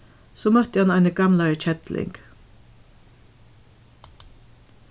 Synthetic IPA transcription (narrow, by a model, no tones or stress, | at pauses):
sɔːmœht̪əhanaɪnəɡamlaɹt͡ʃʰɛt̪lɪ̰ŋk